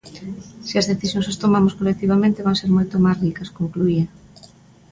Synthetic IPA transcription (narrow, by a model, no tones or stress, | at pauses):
seɐzðeθisjõŋsast̪omamoskolek̚t̪iβ̞amẽnt̪eβaŋseɾmojt̪omasrikɐskoŋkluiɐ